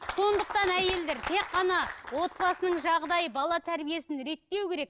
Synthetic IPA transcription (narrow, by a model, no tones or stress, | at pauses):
so̞nd̪əq̚t̪ɑnæje̞ld̪e̞ɾt̪ʰe̞qːɑnɑwo̞t̪̚bɑsənəɴʒɑʁd̪ɑjəbɑlˠɑt̪ʰæɾbije̞sɪnɾe̞k̚t̪ːe̞wkʲʰe̞ɾe̞k̚